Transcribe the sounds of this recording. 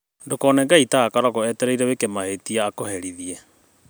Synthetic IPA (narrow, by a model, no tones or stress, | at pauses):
ndokɔnɛŋɡaitaakaɾɔɣɔɛtɛɾaiɾɛβekemahetiaːkohɛɾiðiɛ